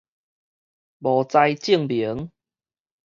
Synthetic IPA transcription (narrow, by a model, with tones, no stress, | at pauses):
bɔ˨˩t͡sa˧jt͡ɕi˥˧˨ŋbi˨˦ŋ